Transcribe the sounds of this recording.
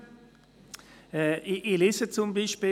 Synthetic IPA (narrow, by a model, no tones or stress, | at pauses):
ɛiʔilɪsət͡sʊmbiːʃpiː